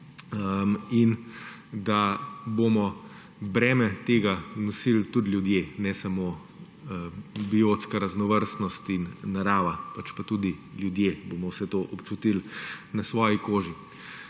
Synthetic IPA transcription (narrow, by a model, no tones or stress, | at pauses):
əmin | d̪abomɔ | bɾɛːmɛt̪eːɡanɔsilt̪ud̪lʲjud̪jenɛsɐmoː | əbiot̪skaɾaznɔʋəɾst̪nɔst̪inːaɾaːʋapat͡ʃpat̪ud̪iljud̪jebomɔwsɛt̪oːʔɔpt͡ʃut̪ilnɐsʋɔːjikoːʒi